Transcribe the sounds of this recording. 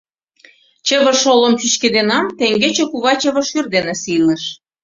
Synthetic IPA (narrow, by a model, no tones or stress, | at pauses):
t͡ɕə̆βə̆rʃolə̆mt͡ɕyʃked̪enɑmt̪eŋɡet͡ɕekuβɑt͡ɕə̆βə̆ʃyrd̪enesilə̆ʃ